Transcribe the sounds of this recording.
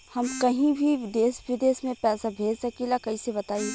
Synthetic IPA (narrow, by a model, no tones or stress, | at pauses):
hɐmkɐɦĩbʱid̪eːsʋɪd̪eːsmẽpɛːsabʱeːd͡ʒsɐkilakɐɦisebɐt̪aːi